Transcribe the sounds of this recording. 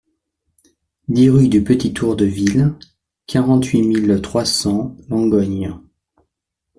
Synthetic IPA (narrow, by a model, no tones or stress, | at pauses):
d̪iʁyd̪ypət̪it̪uʁd̪əvil | kʰaʁɑ̃t̪ɥimilt̪χwasɑ̃lɑ̃ɡɔɲ